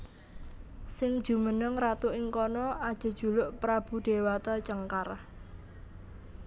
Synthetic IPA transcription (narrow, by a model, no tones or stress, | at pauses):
sɪŋd̥ʒ̥ṳmənəŋrat̪uʔɪŋkɔnɔʔad̥ʒ̥ə̤d̥ʒ̥ṳlʊʔpɾab̥ṳd̪̥e̤wat̪at͡ʃəŋkar